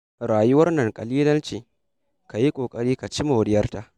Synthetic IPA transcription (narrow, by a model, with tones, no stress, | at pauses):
ɾaː˨jʊ˦wɐ˦rnɐ˨ŋkʼɐ˨liː˦lɐ˦nt͡ʃiː˨ | ka˨ji˦kʷʼoː˨kʼɐ˦ɽiː˦ka˨t͡ʃi˦ma˨wɽɪ˦jɐ˦rta˨ʔ